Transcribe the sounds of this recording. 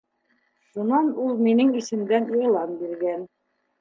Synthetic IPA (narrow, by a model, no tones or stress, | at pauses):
ʃunɑnulˠminɘŋisɘ̆md̪æniʁlˠɑnbiɾɡæn